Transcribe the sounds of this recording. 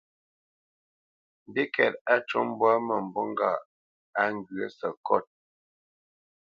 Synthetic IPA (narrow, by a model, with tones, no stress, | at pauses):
m˨bi˦kʰɛ˨ta˦t͡ʃɔ˦m˦bwa˦mə˨m̩˨bɔ˦ŋ˦ɡa̰˦˨ | a˦ŋ˦ɡɰə˦sə˨kɔ˦˨t̚